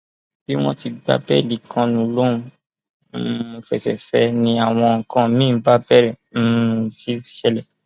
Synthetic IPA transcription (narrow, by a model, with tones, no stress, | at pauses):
b̥i˦w̃ɔ̃˦ti˧ɡ͡ba̰˦bɛ˦˨li˨kʰã˧nũ˨lõ˦ | ũ˨fɛ˨sɛ̰˨fɛ˦nĩ˧a˨w̃ɔ̃˧˨kã˦mĩ˦˨˦ɡ͡ba˦bɛ˦ɾɛ˨ | n̩˦˨si˦fi˨˦ʃɛ˦lɛ˨